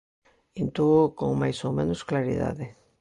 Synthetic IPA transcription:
int̪uɣokoŋmajsowmẽnosklaɾḭða̰ðɪ

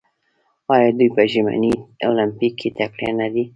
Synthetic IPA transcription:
ɑjɑd̪ujpəʒima̰niolɪmpikʰːit̪akɽḛnad̪i

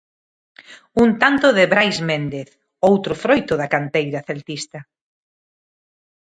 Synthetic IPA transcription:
unt̪ant̪ʊðɪβɾajzmend̪eθ | owt̪ɾʊfɾojt̪ʊðakant̪ejɾaθelt̪ist̪ɐ

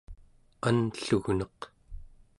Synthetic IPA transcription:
anɬuɣnʌq

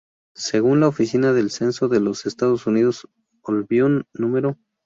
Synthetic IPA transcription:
se̞ɣunlaofisinaðe̞lse̞nso̞ðe̞lo̞se̞st̪aðo̞suniðo̞s | olβjonːũme̞ɾo

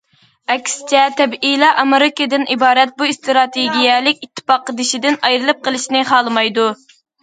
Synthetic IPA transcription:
ɛkʲsɪ̥t͡ʃʰɛt̪ʰɛbilˠɑʔɑmeɾɪkʲɨd̪ɪnʔibɑːɾɛt̪̚buist̪ɾɑt̪ʰeɡʲijɛlɪkʲit̪ʰːɨ̥pɑqːəd̪ɪʃid̪ɪnɑjɾɨlˠɨp̚qʰəlˠɨʃnɪχɑːlˠɨmɑjd̪u

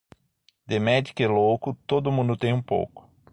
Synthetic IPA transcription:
d̪emɛd͡ʒ̪ikɛlowkʊt̪od̪ʊmũnd̪ʊt̪ẽj̃ũpo̰wkʊ̥

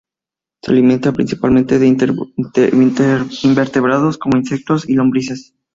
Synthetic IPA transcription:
sea̰limẽ̞nt̪apɾinsipalmẽnt̪e̞ðe | nimbeɾt̪e̞βɾað̞o̞sko̞moinse̞k̚t̪o̞silo̞mbɾis̬es

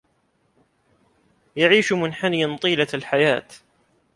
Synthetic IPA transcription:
jaʕiːʃmʊnħanɪjant̪ˤiːlalħajaːt̪

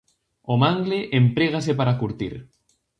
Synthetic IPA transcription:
omaŋɡleʔempɾeɣ̞asepaɾakuɾt̪ḭɾ

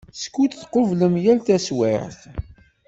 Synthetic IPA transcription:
skːut͡s̪θqovləmjælt̪æswḛɾθ

